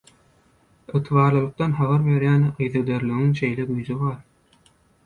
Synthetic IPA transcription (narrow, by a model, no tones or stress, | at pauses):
ɯt̪ʰɯβɑːɾlˠɯlˠɯq̚t̪ɑnɦɑβɑɾβe̞ɾjæːnɯjðɯd̪eɾlyɣiŋʃe̞jleɡyjzyβɑːɾ